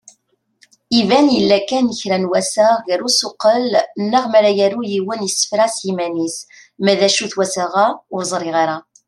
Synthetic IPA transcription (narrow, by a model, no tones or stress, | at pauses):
ivænjəlːækænːəçɾænwæsaʁɣəɾusoqːəlnːəʁmæɾæjæɾujiwənjəsːə̥fɾæsjimænis | mæðæʃuθwæsaʁaʊɾzˤɾˤɪʁɑɾa